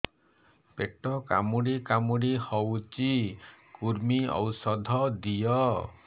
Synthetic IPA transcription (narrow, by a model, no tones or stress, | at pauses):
peʈɔka̰muɽikamuɽihɔwt͡ʃikuɾmiɔ̰wsɔd̪ʱɔd̪ijɔ